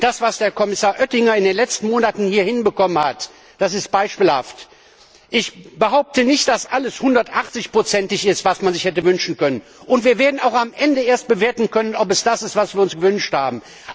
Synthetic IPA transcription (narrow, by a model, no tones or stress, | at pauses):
d̥asv̥asd̥eːɐkʰɔmɪsaːɐʔœtɪŋɐɪndeːnlɛt͡stn̩moːnatn̩hiːɐhɪnbəkɔmənha̰t | d̥asɪst̚b̥aɪʃpiːlha̰ft | ʔɪçb̥əɦaʊp̚tənɪçt̚d̥asʔaləshʊndɐtʔaχt͡sɪçpʁ̥ot͡sɛntɪçɪstv̥asmanzɪçhɛtəvʏnʃn̩kœnən | ʔʊntv̥iːɐveːɐdn̩aʊxamʔɛndəeːɐst̚b̥əveːɐtn̩kʰœnənɔp̬ɛsd̥asɪstv̥asv̥iːɐʊnsɡ̥əvʏnʃthaːbm̩